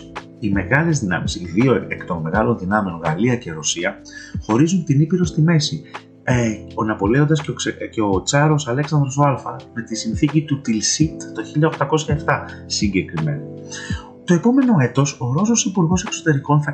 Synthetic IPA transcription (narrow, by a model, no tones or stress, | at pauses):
ime̞ɣɐle̞zðinɐ̰misiðioekt̪o̞nme̞ɣɐlo̞nðinɐmeo̞nɣɐliɐce̞ɾo̞siɐ | xo̞ɾizunt̪inipiɾo̞st̪ime̞si | onɐpo̞le̞o̞nd̪ɐscceot͡sɐɾo̞sɐle̞ksɐnd̪ɾo̞soɐlfɐ̰me̞t̪isinθicit̪ut̪ilsit̪t̪o̞çiʎɐo̞xt̪ɐko̞sçɐeft̪ɐsiɲɟe̞kɾime̞̰nɐ | t̪o̞e̞po̞me̞no̞e̞t̪o̞so̞ɾo̞sosipuɾɣo̞se̞kso̞t̪e̞ɾiko̞nθɐ